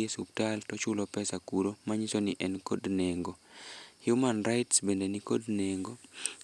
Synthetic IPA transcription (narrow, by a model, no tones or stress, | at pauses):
esup̚taltɔt͡ʃʊlɔpɛsakuɾomaɲisonɪʔɛnkodneŋɡohjumanraɪtsbendenikodneŋɡo